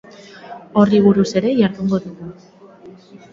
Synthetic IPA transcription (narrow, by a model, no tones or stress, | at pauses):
o̞riβuɾuse̞ɾe̞jaɾðuŋɡo̞ðuɣu